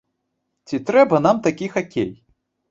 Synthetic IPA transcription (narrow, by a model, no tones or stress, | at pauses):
t͡sʲit̪ɾɛbɐn̪amt̪akʲixakʲḛj